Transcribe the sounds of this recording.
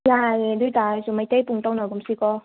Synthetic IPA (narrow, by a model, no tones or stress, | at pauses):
jajlut̪aːsumajt̪epuŋt̪ɔwnɔkumsikɔ